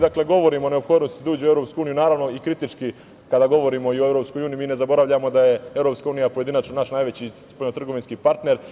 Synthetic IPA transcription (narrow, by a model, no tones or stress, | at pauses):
d̪akle̞ɡo̞ʋo̞ɾimone̞opxo̞ːd̪nost̪id̪auːd͡ʑeoevɾo̞pskuuːnijunaːɾaʋno̞ikɾit̪it͡ʃki | kad̪aɡo̞ʋo̞ɾimo̞ioevɾo̞ːpsko̞juːnijimiːne̞zabo̞ɾaʋʎamo̞d̪aje̞e̞ʋɾopskauːnijapoje̞d̪inat͡ʃonaʃnaːjʋe̞t͡ɕispolnot̪r̩ɡo̞ʋinskipaɾt̪ne̞ɾ